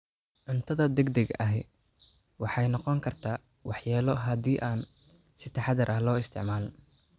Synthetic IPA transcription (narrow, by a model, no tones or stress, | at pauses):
ʕʊnt̪ʰɐðɐd̪ɛɡd̪ɛɡʔɐɦɛ | wɑħɑjnɔqɔŋkʰɐrt̪ʰaː | wɑħjaːlɔɦɐd̪iːʔaːn | sɪt̪ʰɑħɑd̪ɐɾʔɐhlɔːɪst̪ʰɪ̰ʕmaːl